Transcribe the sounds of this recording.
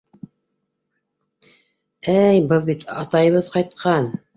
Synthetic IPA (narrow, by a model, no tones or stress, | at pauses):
æjbɤlˠbit̪ʰɑt̪ɑjɤ̆βɤðqɑjt̪̚qʰɑn